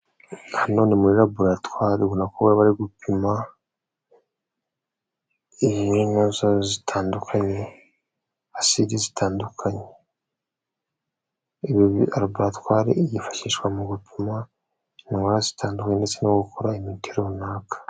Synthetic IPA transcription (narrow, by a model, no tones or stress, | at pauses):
hano̞nemuɾiɾabuɾatwaːɾeɡunakowaβaɾiɡupima | iinozazitʰaːndukʰaɲe̞ | asidizitʰaːndukʰaɲe | iβoβiaɾabuɾatwaːɾḛijifḁʃiːʃkwamuɡupʰima | niŋwaɾazi̥tʰaːndukaɲendet͡senoɡukoɾaimitʰeɾoβunaːkḁ